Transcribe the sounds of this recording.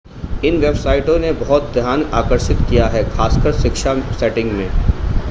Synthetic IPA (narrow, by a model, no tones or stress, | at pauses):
ɪnʋebsaːɪʈõnebɐɦɔt̪̚d̪ʱjaːnaːkəɾʃɪt̪kijaɦɛxʰaːskəɾʃɪkʃasɛːʈɪ̃ŋɡmẽː